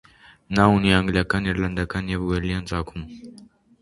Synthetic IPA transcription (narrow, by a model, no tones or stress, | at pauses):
nauniaŋɡlijakaniɾland̪akanjɛvwɛlijant͡sʼaːkʰum